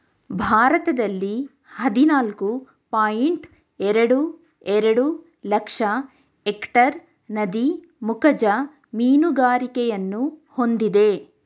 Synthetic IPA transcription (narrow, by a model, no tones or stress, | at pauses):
bʱaːɾɐt̪ɐd̪ɐlːi | hɐd̪inaːlku | paːjiɳʈ | ɛɾɐɽu | ɛɾɐɽu | lɐkʂɐ | ekʈɐɾ | nɐd̪i | mukɐd͡ʒɐ | miːnuɡaːɾikɛjɐnːuho̞nd̪id̪e̞